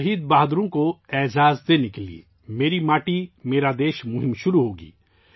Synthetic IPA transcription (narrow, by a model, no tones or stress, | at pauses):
ɦiːd̪baːɦd̪ɾõkoɛːd͡ʒaːzd̪eːnekelḭḛː | meːɾimaːʈimeːɾad̪eːʃmʊɦɪmʃʊɾuɦoːɡḭː